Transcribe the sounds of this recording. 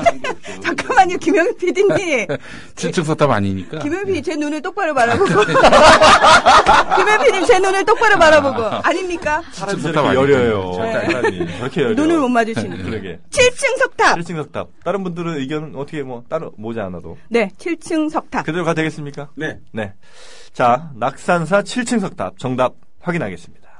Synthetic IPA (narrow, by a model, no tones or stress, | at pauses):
t͡ɕak͈amaɲikimjʌŋpʰidiɲi | t͡ɕʰiɭt͡ɕʰɯŋsʰʌk̚tʰaba̰ɲiɲik͈akimjʌŋpʰiit͡ɕe̞nunɯɭt͈ok̚p͈aɾɯpaɾaboɡo | kimjʌpʰiɲimt͡ɕe̞nunɯɭt͈ok̚p͈aɾɯpaɾaboɡoaɲimɲik͈a | sʰaajʌɾjʌjo | iɾkʰejʌnunɯɭmommad͡ʑuɕʰinɯkɯɾeɡḛt͡ɕʰiɭt͡ɕʰɯŋsʰʌk̚tʰaiɭt͡ɕʰɯŋsʰʌk̚tʰa̰p̚t͈aɾɯnbundɯɾɯnɯiɡjʌnɯnʌtʰʌkʰemwʌt͈aɾɯmod͡ʑaanado̰ne̞t͡ɕʰiɭt͡ɕʰɯŋsʰʌk̚tʰakɯdɯɾkadwe̞ɡes͈ɯmɲik͈an | ne̞ | t͡ɕanak̚s͈ans̬ʰat͡ɕʰiɭt͡ɕʰɯŋsʰʌk̚tʰa̰p̚t͡ɕʌŋdap̚ | ɸwaɡinɦaɡe̞s͈ɯmɲid̥a